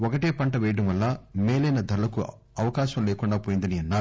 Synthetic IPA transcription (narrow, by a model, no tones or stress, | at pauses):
ɔkɐʈeːpɐɳʈɐʋɛːjɐɽɐmʋɐlːɐmeːlɐjnɐd̪ʱɐɾulɐku | ɐʋɐkaːʃɐmleːkuɳɖaːpoːjind̪ɐniɐnːaː